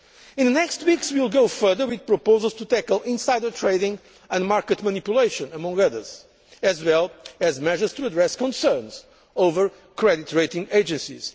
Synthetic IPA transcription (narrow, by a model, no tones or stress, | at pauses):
ĩnðɨnɛkstwikswilˠɡowfɜ˞ðə˞wiðpɹɔpoʊzəlˠz̥t̪ut̪ækəlˠĩnsajdət̪ʰɹeɪdɪ̃ŋ | ɨ̃nmaɹkɨt̪manipjuleʃə̃nəmʌ̃ŋɡʌðə̰˞z̥ | ɨzwɛlˠɨzmɛʒə˞z̥tʰuəd̪ɹɛskɔ̃nsɜ˞nz̥ | ovə˞ | kʰɹɛditɹeɪtĩŋeɪd͡ʒɨ̃nsḭz̥